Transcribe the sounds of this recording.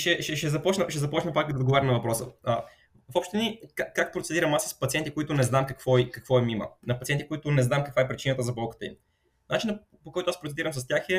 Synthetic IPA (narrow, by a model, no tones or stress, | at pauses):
ʃɛʃɛʃɛzɐpɔt͡ʃnəʃɛzɐpɔt͡ʃnɐpakkd̪ɛod̪ɡovaɾɐmnɐvɐpɾɔsə̰ə | fɔpʃt̪ɛnikakːak̚pɾot̪ɛd̪iɾɐmasːə̥spɐt̪siɛnt̪ikoit̪ʊnɛznamkɐkvɔikɐkvɔɛmimə̰nɐpɐt̪iɛnt̪ikoit̪ʊnɛznamkəɐkvaɛpɾit͡ʃinət̪əzɐbɔlˠkə̥t̪əḭm | nat͡ʃinə | pokɔjt̪oaspɾot̪ɛd̪iɾəmsɐst̪ʲjaxɛ